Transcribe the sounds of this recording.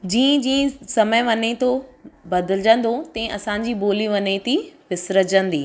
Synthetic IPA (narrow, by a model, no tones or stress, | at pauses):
d͡ʑĩːə̃d͡ʑĩːə̃sɐməjʋɐnet̪obɐd̪ɪld͡ʑə̃nd̪ot̪ɐ̃ʔɐsãːɲ̆d͡ʑiːboːliʋɐnet̪iʋɪsɾəd͡ʑə̃nd̪iː